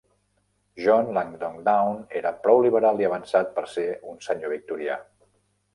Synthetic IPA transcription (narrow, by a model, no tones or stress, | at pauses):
ʒɔnlaŋd̪ɔŋd̪awneɾəpɾɔwliβəɾalˠiəβənsat̪̚pəɾseunsəɲoβ̞ik̚t̪uɾia̰